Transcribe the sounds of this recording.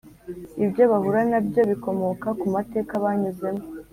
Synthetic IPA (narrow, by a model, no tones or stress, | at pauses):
ibjo̞βahuɾanabjo̞βiko̞mo̞kakumate̞ːkaβaɲuze̞mo